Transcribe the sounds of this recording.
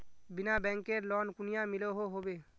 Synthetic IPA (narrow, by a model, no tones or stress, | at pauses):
binabɛ̃ŋkeɾlɔnkunijamiloɦoɦobe